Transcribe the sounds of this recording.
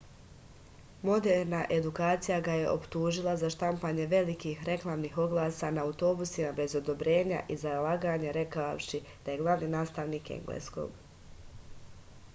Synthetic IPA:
mo̞d̪eɾnaʔe̞d̪ukaːt̪sijaɡaje̞ʔo̞pt̪uːʒilˠazaʃt̪ampaɲe̞ʋe̞likiːxɾe̞klˠamniːxo̞ɡlˠaːsaːnaːwt̪o̞ːbusimabe̞zo̞d̪o̞bɾe̞ːɲa̰ʔizalˠaːɡaːɲeɾe̞kao̰ʃi | d̪̥aje̞ɡlˠaʋniːnaːst̪aʋniːkḛŋɡlḛsko̞̰ːɡ̥

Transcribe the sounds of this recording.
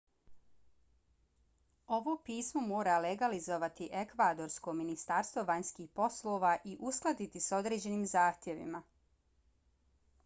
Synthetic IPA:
o̞ʋo̞piːsmomo̞ːɾaleɡalizo̞ʋat̪iʔe̞kʋaːd̪o̞ɾsko̞minist̪aɾst̪ʋo̞ʋaɲskiːxpo̞slˠo̞ːʋaʔiʔusklˠad̪it̪iso̞d̪ɾe̞ːd͡ʑe̞niːmzaːxt̪je̞ʋḭma

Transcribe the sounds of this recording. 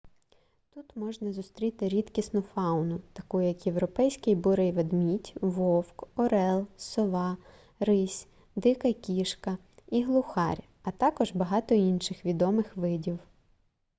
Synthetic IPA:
t̪ut̪mɔʒnɐzʊst̪ɾʲit̪ɪɾʲid̪kʲisnʊfɑwnʊt̪ɐkujjɐkjewɾɔpɛjsʲkɪjbʊɾɪjʋɐd̪mʲitʲʋɔwkɔɾɛlˠsɔʋɑ | ɾɪsʲ | d̪ɪkɐkʲiʃkɐ | iɦlˠʊxɑɾʲ | ɐt̪ɑkɔʒbɐɦɑt̪ɔinʃɪxʋʲid̪ɔmɪxʋɪdʲiw

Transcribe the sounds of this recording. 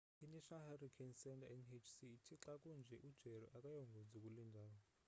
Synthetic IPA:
inɛʃʰɔnalharikʰɛnsɛntʰʼaɛnet͡ʃʰsiːtʰiǁakʼund͡ʒʱɛʔud̥ʒ̥ʱɛɾɔ̰ʔakʼajɔŋɡʱod͡zikʼulindʱaːwɔ

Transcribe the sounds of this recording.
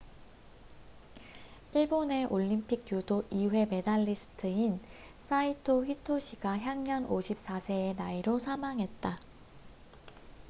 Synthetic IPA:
iɭbone̞ʔoʎːimpʰik̚judoʔiwe̞me̞daʎːisʰɯ̥tʰɯin | sʰaitʰoɸitʰoɕʰiɡaçjaŋɲʌnoɕʰip̚s͈asʰe̞ːnaiɾosʰamaŋɦe̞t̚t͈a

